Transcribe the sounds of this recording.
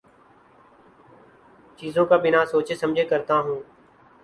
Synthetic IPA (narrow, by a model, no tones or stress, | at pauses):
t͡ʃiːzõːkaːbɪnaːsoːt͡ʃeːsəmd͡ʒʱeːkəɾt̪aːɦũː